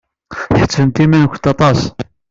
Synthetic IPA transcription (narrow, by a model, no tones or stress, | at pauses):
çħə̥t͡sːənt̪imænkʷːət̪ɑt̪ˤɑs